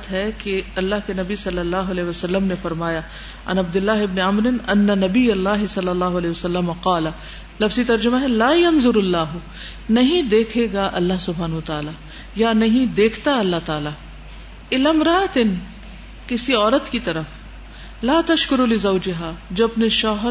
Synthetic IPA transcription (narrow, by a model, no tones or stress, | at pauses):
t̪ɦɛkeɐlːaɦkenɐbisɐlːɐlːaːɦʊɐlɛːɦʋɐsɐlːəmnefɐɾmaːja | ɐ̰nɐb̚d̪ɪlːaːɦɪbneɐmɾɪnɐnːɐnɐbijɐlːaːɦɪsɐlːɐlːaːɦʊɐlɛːɦɪʋɐsɐlːɐmɐqaːlɐ | lɐfzit̪ɐɾd͡ʒʊmaɦɛlaːjɐnzʊɾɐlːaːɦʊ | nɐɦĩd̪eːkʰeːɡaʔɐlːaɦsʊbʱaːnɐɦʊɐt̪aːla | janɐɦĩd̪eːkʰt̪aɐlːaɦt̪aːla | ɪlɐmɾaːt̪ɪn | kɪsiɔːɾət̪kit̪ɐɾəf | laːt̪ɐʃkʊɾulɪzɐːd͡ʒɪɦad͡ʒoːɐpneʃɔːɦ